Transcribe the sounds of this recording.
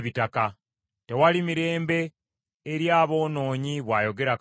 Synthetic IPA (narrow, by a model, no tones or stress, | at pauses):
βitaka | te̞walimiɾe̞ːmbe̞ː | ɾjaːβo̞ːno̞ːɲiβwaːjo̞ɡe̞ɾak